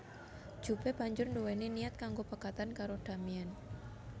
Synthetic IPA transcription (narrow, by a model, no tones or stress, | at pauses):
d͡ʒ̥ubeb̥aɲd͡ʒʊrɳdoweniniat̪̚kaŋɡopəkat̪ankaɾoɖ̥a̤mian